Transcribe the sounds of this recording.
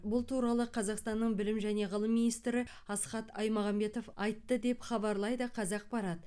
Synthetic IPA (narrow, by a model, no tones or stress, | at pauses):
bʊlˠt̪ʰuɾɑlˠəqʰɑzɑqst̪ɑnːəɴbɪlɪmʒæne̞ʁəlˠəmːinijst̪ɾɪ | ɑsqɑt̪ɑjmɑʁɑmbe̞t̪o̞fɑjt̪ːəd̪e̞pχɑbɑɾlˠɑjd̪əqʰɑzɑq̚bɑɾɑt̪ə